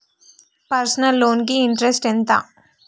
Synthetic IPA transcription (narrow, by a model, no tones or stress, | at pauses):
pɐɾsɐnɐlːoːnk̬iːɳʈɾesʈent̪a̰ː